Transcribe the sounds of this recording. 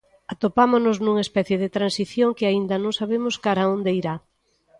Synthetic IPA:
at̪opamoznʊznuŋespɛθjeðɪt̪ɾansiθjoŋkɪaind̪ɐnõŋsaβemʊskaɾaond̪eiɾa

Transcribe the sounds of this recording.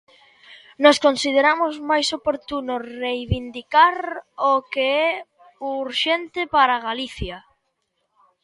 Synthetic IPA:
nɔskonsið̞eɾamʊzmajsopoɾt̪unʊrejβind̪ikaɾokeɛ | uɾʃent̪ɪpaɾaɣaliθja

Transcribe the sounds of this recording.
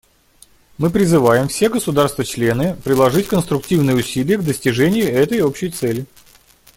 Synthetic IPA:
mɨpɾʲɪzɨvajɪmfsʲe̞ɡəsʊd̪arst̪vət͡ɕlʲenɨpɾʲɪlˠɐʐɨtʲkənst̪ɾʊk̚tʲivnɨjəʊsʲilʲɪjəɡd̪əsʲtʲɪʐɛnʲɪjʊɛt̪əjo̞pɕːɪjt̪sɛlʲɪ

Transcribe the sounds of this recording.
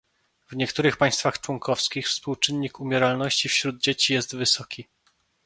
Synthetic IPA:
vɲɛkt̪uɾɘxpaj̃st̪faxt͡ʂwɔŋkʰɔfskʲixfspuwt͡ʂɘnːikumʲjɛɾalnɔɕt͡ɕifɕɾud̪̚d͡ʑet͡ɕijɛst̪vɘsɔkʲʰi

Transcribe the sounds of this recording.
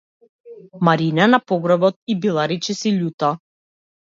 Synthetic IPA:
maɾinanapɔɡɾɔbɔt̪̚ibilˠaɾit͡ʃisiʎʲut̪a

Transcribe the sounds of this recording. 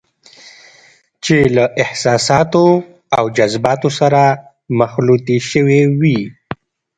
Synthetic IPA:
t͡ʃelaʔɪhsɑsɑt̪o | awd͡ʒazbɑt̪osaɾa | maxlut̪iʃəwewi

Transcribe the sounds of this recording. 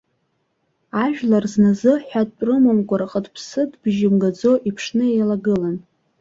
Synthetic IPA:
aʒᶣlarznazɨħʷᶣadʼpʼrɨmamkʷʼaɾaqʼədpʰsɨdbʒɪmɡad͡zo̞ʔipʰʂnɨejlaɡɨlan

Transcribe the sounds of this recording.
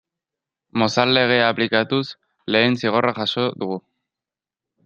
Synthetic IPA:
mo̞salːe̞ɣ̞e̞aplikat̪us | le̞ːnsiɣ̞o̞raʝaso̞ðuɣu

